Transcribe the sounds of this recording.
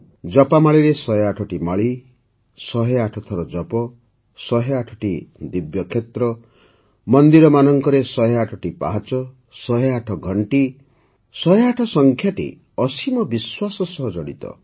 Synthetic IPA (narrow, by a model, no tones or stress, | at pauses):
d͡ʒɔpamaɭiɾesɔɦeaʈʰɔʈimaɭi | sɔɦeaʈʰɔt̪ʰɔɾɔd͡ʒɔpɔ | sɔɦeaʈʰɔ̥ʈid̪ibjɔkʰet̪ɾɔ | mɔnd̪iɾɔmanɔŋkɔɾesɔɦeaʈʰɔʈipa̰ɦat͡ʃɔ | sɔɦeaʈʰɔɡʱɔɳʈi | sɔɦeaʈʰɔsɔŋkʰjaʈḭ | ɔsimɔbiswasɔsɔɦɔd͡ʒɔɽḭt̪ɔ̰